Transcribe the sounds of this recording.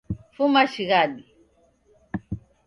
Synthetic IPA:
fumaʃiɣaɗi

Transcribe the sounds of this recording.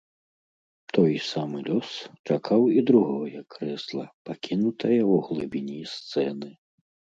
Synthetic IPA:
t̪ɔjsamɨlʲɔst͡ʂakʰawid̪ɾuɣɔjɐkːɾɛslˠɐ̰pakʲinut̪ʰɐjɐuɣlˠɨbʲinʲist̪sɛnɨ

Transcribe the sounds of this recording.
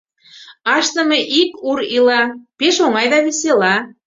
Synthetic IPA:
ɑʃt̪ə̆meʔikuɾilɑpeʃoŋɑjd̪ɑβeselɑ

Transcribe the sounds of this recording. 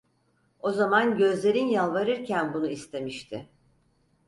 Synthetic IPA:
o̞zamanɟø̞zlʲe̞ɾinjalˠvaɾɯɾcʰænbunuist̪ʰe̞miʃt̪ʰɪ

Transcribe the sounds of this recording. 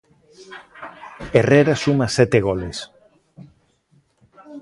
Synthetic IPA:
ereɾasumasɛt̪eɣoles

